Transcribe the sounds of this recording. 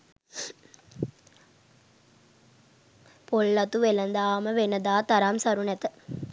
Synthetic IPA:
polːɐt̪uʋelɐnd̪aːməʋenəd̪aːt̪aɾamsaɾunɛt̪ə

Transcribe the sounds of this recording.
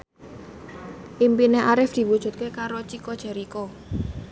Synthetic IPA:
ʔimpineʔaɾɪfd̪̥i̤wud̥ʒ̥ṳt̪̚kekaɾot͡ʃikod̥ʒ̥a̤ɾiko

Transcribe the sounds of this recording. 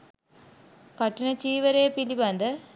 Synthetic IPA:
kɐʈːinɐt͡ɕiːʋɐɾeːpilibɐnd̪ɐ

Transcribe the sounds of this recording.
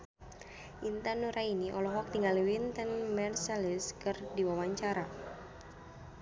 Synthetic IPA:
ʔint̪anuɾainiʔɔlɔɦɔk̚t̪iŋaliwint̪ənmɛrsaliskɨrdiwawaɲt͡ʃaɾa

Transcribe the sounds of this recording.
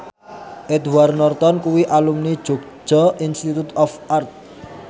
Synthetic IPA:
ʔed̪warnɔrt̪ɔnkuwiʔalumnid̥ʒ̥oɡ̥̚d͡ʒ̥ɔ̤ʔinst̪it̪ut̪ɔfart̪̚

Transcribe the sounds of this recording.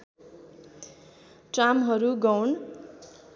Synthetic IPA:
ʈramɦʌɾuɡʌwn

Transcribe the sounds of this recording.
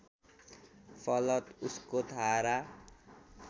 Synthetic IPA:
pʰʌlʌt̪uskot̪ʰaɾa

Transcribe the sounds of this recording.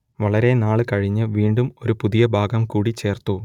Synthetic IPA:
ʋɐɭɐɾe̞naːɭɨkɐɻiɲːɨʋiːɳɖumo̞ɾupuðijɐbʱaːɡɐmkuːɽit͡ɕe̞ːrt̪u

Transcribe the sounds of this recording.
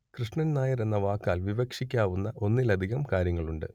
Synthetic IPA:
krɨʂɳɐnnaːjɐɾenːɐʋaːkːaːlʋiʋɐkʂikʲːaːʋunːɐʔo̞nːilɐd̪ʱiɣɐmkaːɾjɐŋːɐɭuɳɖɨ̰

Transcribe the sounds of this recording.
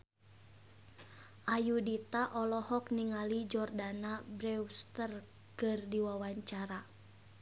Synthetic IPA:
ʔajudit̪aʔɔlɔhɔkniŋalid͡ʒɔrdanabɾɛwst̪ər | kɨrdiwawaɲt͡ʃaɾa

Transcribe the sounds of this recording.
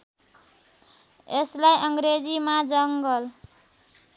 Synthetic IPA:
eslajʔʌŋɡɾed͡zimad͡zʌŋɡʌl

